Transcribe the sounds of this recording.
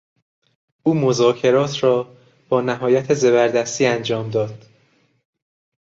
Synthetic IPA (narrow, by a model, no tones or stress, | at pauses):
ʔuːmo̞zɒːcʰe̞ɾɒːt̪ʰrɒː | b̥ɒːnæɦɒːjæt̪ʰeze̞βæɾd̪æst̪iːænd͡ʒɒːmd̪ɒːd̪̥